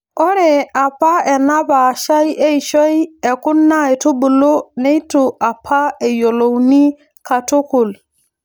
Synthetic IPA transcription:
ɔ˦ɾe˨a˨pa˦e˨na˦ba˨ʃa˦je˦jʃo˦je˨ku˦nːa˦e˨to˦bu˨lo˦ne˦jto˨ʔa˨pʰa˦e˨jo˨lo˨wni˦ | ka˨to˦ku˨l

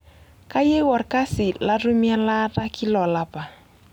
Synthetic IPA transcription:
ka˦je˦wɔ˨ɾka˦sɪ˨la˦ru˦mja˦la˦ɾa˦kʰi˦lɔ˨la˨pa˨

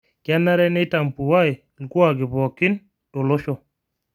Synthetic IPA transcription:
ka˦na˦ɾɛ˦nɪ˦ta˨mpu˨wa˦ɪ˨ | lku˦a˨ɡɪ˨bɔ˨kɪ˦n | to˨lo˦ʃɔ˦

